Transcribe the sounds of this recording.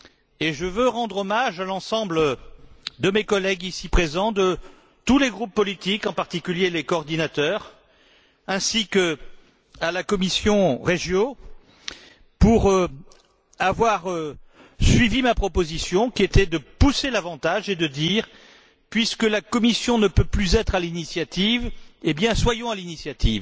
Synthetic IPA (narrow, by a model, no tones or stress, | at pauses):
eʒəvøʁɑ̃d̪ʁɔmaʒalɑ̃sɑ̃blə | d̪əmekɔlɛɡisipχezɑ̃d̪ə | t̪uleɡʁupːɔlit̪ikɑ̃paʁt̪ikʲyljelekɔːʁd̪inat̪œʁ | ɛ̃sik | alakɔmisjɔ̃ʁeʒjo | puʁ | avwaʁø | sɥivimapχɔpozisjɔ̃kʲiet̪ɛd̪əpuselavɑ̃t̪aʒed̪əd̪iʁ | pɥiskəlakɔmisjɔ̃nəpøplyzɛt̪χalinisjat̪ivebjɛ̃swajɔ̃alinisjat̪ʰḭv